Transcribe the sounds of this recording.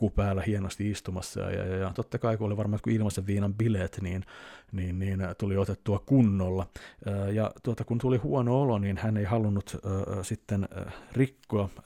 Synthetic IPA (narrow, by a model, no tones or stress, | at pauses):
kupæːlːæhienost̪iist̪umɑ̰sːɑ̰ɑ̰jɑ̰jɑjɑt̪ot̪ːɑkɑikuoliʋɑrmɑt̪kuilmɑseʋʋiːnɑmbileːt̪niːnniːnniːnt̪uliot̪et̪ːuɑkunːolːɑːjɑt̪uot̪ɑkunt̪ulihuonooloniːnhæneihɑlunːut̪ːsit̪ːenrikːoɑ